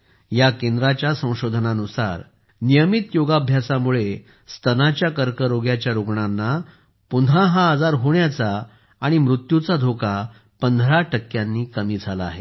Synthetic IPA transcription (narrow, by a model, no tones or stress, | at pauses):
jakend̪ɾat͡ɕjasə̃w̃ɕod̪ʱənanusa̰ɾ | nijəmit̪joɡabʱjasamuɭe | st̪ʰənat͡ɕjakəɾkəɾoɡjat͡ɕjaɾoɡɳanːa | punãɦaad͡zaɾɦoɳjat͡saː | ɽ̃imɾut̪jut͡sad̪ʱoka | pənd̪ʱɾaʈəkːjanːiːkəmiːd͡zʱala̰ːɦe